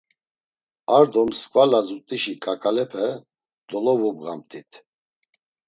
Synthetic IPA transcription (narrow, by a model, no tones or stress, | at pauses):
aɾd̪ɔmskʼvalazut̪ʼiʃikʼakʰʼalɛpʰɛ | d̪ɔlɔvubʁa̰mt̪ʼʰit̪ʰ